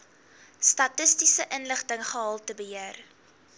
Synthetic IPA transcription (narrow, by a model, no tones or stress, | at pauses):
stɐtəstisəʔənləχtəŋχəɦɑlˠtəbəɦiər